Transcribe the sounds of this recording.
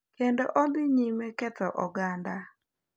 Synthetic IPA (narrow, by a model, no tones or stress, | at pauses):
kendoʔombɪɲimɛkɛtɔʔɔɡanda